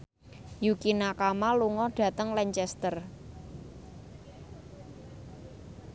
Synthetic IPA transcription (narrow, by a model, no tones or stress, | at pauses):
jukinakamaluŋɔɖ̥ä̤t̪əŋlɛɲt͡ʃɛst̪ər